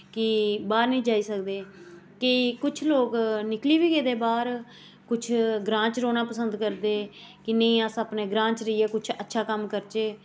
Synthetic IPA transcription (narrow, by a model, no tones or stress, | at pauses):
kɪbaːɾnĩːd͡ʒaːiːsəkd̪eː | kɪkʊt͡ʃʰloːknɪkliːʋiːɡeːd̪eːbaːɾ | kʊt͡ʃʰɡɾãːt͡ʃɾoːnãːpəsənd̪kəɾd̪eːkɪnəĩːasəpneːɡɾãːt͡ʃɾəiːɛːkʊt͡ʃʰətːʃʰaːkəmkəɾt͡ʃeː